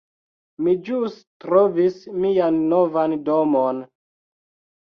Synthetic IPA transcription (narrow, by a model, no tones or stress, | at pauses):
mid͡ʒustɾovismianːovandomon